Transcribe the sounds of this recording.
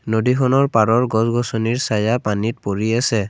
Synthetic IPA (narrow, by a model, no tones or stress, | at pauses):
nodikʰɔnɔɹpaɹɔɹɡɔzɡɔsɔniɹsajapanit̚poɹiasɛ